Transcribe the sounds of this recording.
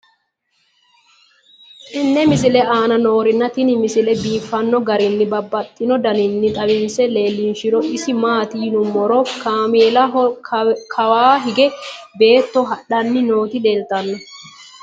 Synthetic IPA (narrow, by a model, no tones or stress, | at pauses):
ʔɪnːɛmɪs̬ɪlɛʔaːnɐno̞ːɾɪnːɐt̪ɪnɪmɪsɪlɛbiːfːɐnːɔɡɐɾɪnːɪbɐbːɐt̪ʼːɪnɔd̪ɐnɪnːɪt̪ʼɐwɪnsɛle̞ːlːɪnʃɪɾɔʔɪsɪmaːt̪inʊmːɔɾɔkaːmeːlɐ | kʰɐwaːɦɪɡɛbe̞ːt̪ːɔɦɐɗɐnːɪno̞ːt̪ɪdeːlt̪ɐnːɔ